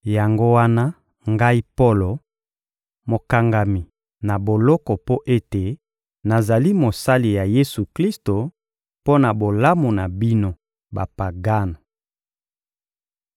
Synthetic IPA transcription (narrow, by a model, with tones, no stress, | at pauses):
ja˨ŋɡo˦wa˦na˦ | ŋɡa˦i˦po˦lo˨ | mo˨ka˨ŋɡa˨mi˨ | na˨bo˨lɔ˦kɔ˨po˦ʔe˦te˨ | na˨za˨li˦mo˨sa˦li˨ja˨je˦su˨kli˦sto˨ | po˦na˨bo˨la˦mo˨na˨bi˦no˦ | ba˨pa˨ɡa˦na˨